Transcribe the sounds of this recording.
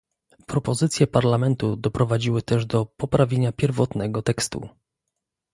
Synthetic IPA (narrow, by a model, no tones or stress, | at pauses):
pɾɔpɔzɘt̪sʲjɛpaɾlamɛnt̪ud̪ɔpɾɔvad͡ʑiwɘt̪ɛʐd̪ɔpɔpɾavʲjeɲapʲjɛɾvɔt̪nɛɡɔt̪ɛkst̪ṵ